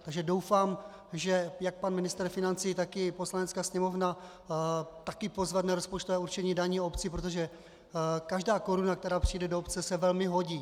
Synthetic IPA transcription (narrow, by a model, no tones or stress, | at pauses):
t̪aɡʒɛdowfaːm | ʒɛjak̚panmɪnɪst̪ɛɾfɪnant͡sijːt̪akɪpo̞slanɛt͡skaːsɲɛmo̞vna | t̪akɪpo̞zvɛt̪naɾospot͡ʃt̪ovɛːuɾt͡ʃɛɲiːdaɲiːopt͡sɪpɾot̪̬oʒɛ | kaʒdaːko̞ɾunakt̪ɛɾaːpr̝̥ɪjdɛdoopt͡sɛsɛvɛlmɪɦo̞ɟiː